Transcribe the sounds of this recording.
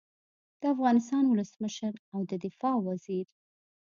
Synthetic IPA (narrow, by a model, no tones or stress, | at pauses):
d̪̥əafɣɑnɪst̪ɑnwʊləsməʃəɾawd̪əd̪ɪfɑwaziɾ